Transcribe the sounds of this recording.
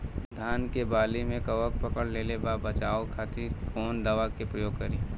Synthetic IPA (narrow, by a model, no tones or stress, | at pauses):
d̪ʱaːnkebaːlimẽkɐʋək̚pɐkəɽlelebabɐt͡ʃaːokʰaːt̪ɪɾkɔːnd̪ɐʋakepɾəjoːɡ̚kɐɾiː